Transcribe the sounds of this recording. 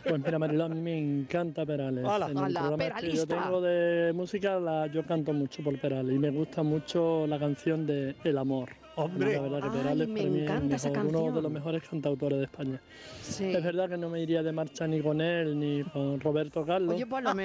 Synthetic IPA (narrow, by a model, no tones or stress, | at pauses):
pwe̞ɦmiɾamaɾiloamĩme̞ŋkant̪ap̬e̞ɾalesenelpɾoɣɾamakeʝot̪eŋɡoðe̞musikalaʝo̞kant̪omut͡ʃopo̞lpe̞ɾaleime̞ɣ̞ust̪amut͡ʃolakan̟θjo̞nd̪e̞ːlamo̞ɾ | amilaβeɾðakepeɾalespaɾamĩelmeɦoɾunoðe̞lo̞ɦme̞ɦo̞ɾe̞skʰant̪awt̪o̞ɾe̞ɦðehpaɲa | se̞zβe̞ɾðake̞no̞me̞iɾiaðe̞maɾt͡ʃaniko̞ne̞lniko̞nro̞β̞e̞ɾt̪o̞kalːo